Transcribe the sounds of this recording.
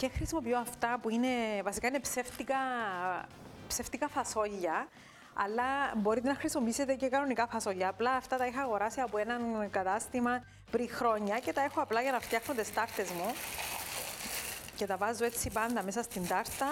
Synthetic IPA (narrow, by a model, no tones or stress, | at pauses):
cexɾisimo̞pioɐft̪ɐpuine̞vɐsikɐine̞pseft̪ikɐ | pseft̪ikɐfɐso̞ʝːɐ | ɐ̰lːɐbo̞ɾit̪enɐxɾisimo̞piiset̪ece̞kɐno̞nikɐfɐso̞ʎːɐːplɐːft̪ɐt̪ɐiçɐːɣo̞ɾɐsiɐpoe̞nɐnkɐt̪ɐst̪imɐ | pɾixɾo̞ɲːɐce̞t̪ɐe̞xoɐplɐʝɐnɐft̪jɐxnot̪est̪ɐɾt̪e̞zmu | ce̞t̪ɐvɐzːue̞t͡sːipɐnd̪ɐmesɐst̪ind̪ɐɾt̪ɐ